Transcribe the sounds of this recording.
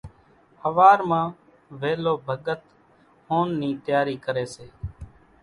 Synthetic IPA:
həʋaːɾmãː | ʋeːloːbʱəɠət̪ | hoːnːiːt̪jaːɾiːkəɾeːseː

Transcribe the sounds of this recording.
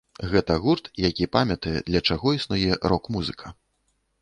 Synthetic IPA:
ɣɛt̪ɐɣurt̪jakʲipamʲɐt̪ɐjɛ̰d̪lʲɐt͡ʂaɣɔisnujɛɾɔkmuzɨkʰɐ

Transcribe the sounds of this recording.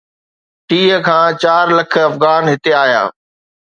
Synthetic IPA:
ʈiːɦə̆kʰãːt͡ɕaːɾlɐkʰə̆ɐfɣaːnɦɪt̪eaːja̰ː

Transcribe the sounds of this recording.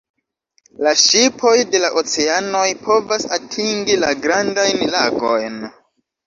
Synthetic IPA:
laʃipʰo̞jde̞laʔot͡se̞ano̞jpʰo̞vasatʰiŋɡilaɡɾandajnlaɡo̞̰jn

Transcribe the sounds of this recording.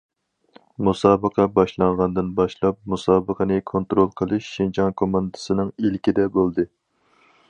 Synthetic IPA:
musɑːbəqʰɑbɑʃlˠɑɴʁɑnd̪ɨnbɑʃlˠɑp̚musɑːbəqʰənɨkʰont̪ɾolˠqʰəlˠɨʃːind͡ʒʰɑŋkʰomɑnd̪ɨ̥sɨnɨŋilkʲid̪ɛbolˠd̪ɨ

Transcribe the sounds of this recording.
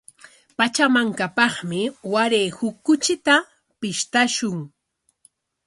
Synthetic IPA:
pat͡ʃamaŋkapɑχmɪwaɾeːhʊkːʊt͡ʃɪt̪a | pɪʃt̪aʃʊŋ

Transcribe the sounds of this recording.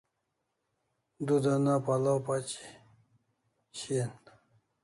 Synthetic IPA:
d̪ud̪anapalapat͡ɕi̥ | ɕin

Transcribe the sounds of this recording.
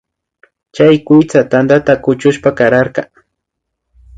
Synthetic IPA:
t͡ʃajkʊt͡sat̪and̪at̪akʊt͡ʃʊʃpakaɾaɾkɑ

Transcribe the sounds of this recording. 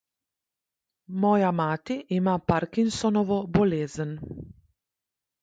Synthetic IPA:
mɔːjamaːt̪iʔːmapaɾkinsɔnɔʋɔbɔleːzən

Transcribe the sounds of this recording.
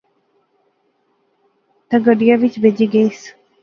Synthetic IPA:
t̪əɡəɖijaʋit͡ʃbed͡ʒiɡeːs

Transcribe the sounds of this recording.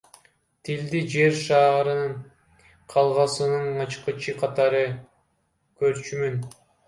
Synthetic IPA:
t̪ʰild̪id͡ʒe̞ɾʃɑːɾɯ | qʰɑlˠʁɑsɯnɯnɑt͡ʃqɯt͡ʃʰɯqʰɑt̪ɑɾɯ | køɾt͡ʃymyn

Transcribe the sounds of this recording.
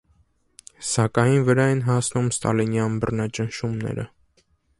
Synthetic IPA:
sɑkɑjinvəɾɑɛnɦɑsnumst̪ɑ̰linjɑnbərnɑt͡ʃənʃumnɛ̰ɾə̰

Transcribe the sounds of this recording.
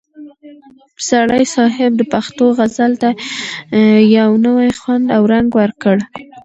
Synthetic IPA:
saɽajsɑɦɪb̚d̪əpaxt̪oɣazalt̪a | jawnəwajxwand̪awɾaŋɡwəɾkəɽ

